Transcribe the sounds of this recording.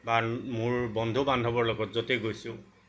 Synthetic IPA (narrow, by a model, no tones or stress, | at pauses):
bamʊɹbɔndʱubandʱɔbɔɹlɔɡɔtzɔteɡojsʊ̃